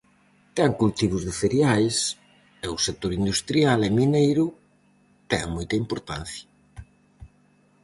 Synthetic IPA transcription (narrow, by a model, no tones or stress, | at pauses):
t̪aŋkult̪iβ̞ʊzðefeɾjajs | ɛʊsek̚t̪oɾind̪ust̪ɾjalɛminejɾʊ | t̪ɛŋmojt̪ɐimpoɾt̪a̰nθjɐ